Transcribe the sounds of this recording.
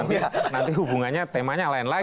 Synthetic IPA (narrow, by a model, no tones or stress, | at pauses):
nant̪iɦubuŋanɲat̪emaɲalaɛnla